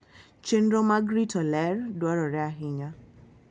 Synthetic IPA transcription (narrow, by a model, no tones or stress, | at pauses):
t͡ʃenɾomaɡɾitʰɔlɛrdwaɾɔɾɛaɦɪɲa